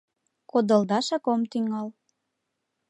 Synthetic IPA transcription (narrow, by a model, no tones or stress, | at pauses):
kod̪əld̪ɑʃɑkomt̪yŋɑl